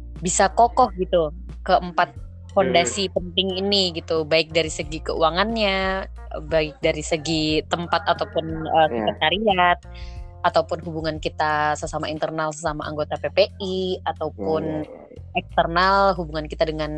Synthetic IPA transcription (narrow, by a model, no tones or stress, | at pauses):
bisakokɔhɡit̪u | kəʔəmpat̪̚ | fondasipənt̪ɪŋiniɡit̪ubaɪk̚daɾisəɡikəṵaŋanɲa | ə̰baɪk̚daɾisəɡit̪əmpat̪at̪awpʊnəsəkət̪aɾiat̪̚ | at̪awpʊnɦubuŋankit̪asəsamaint̪ərnalsəsamaʔa̰ŋɡot̪apepeʔiat̪awpʊn | ɛkst̪ərnalɦubuŋankit̪adəŋan